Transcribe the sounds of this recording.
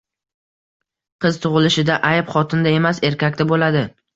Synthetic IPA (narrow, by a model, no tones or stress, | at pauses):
qʰɨzt̪ʰʊʁɨlɪʃɪd̪aʔajpχɒt̪ʰɪnd̪ae̞mase̞ɾkʲakʲt̪abolad̪ɪ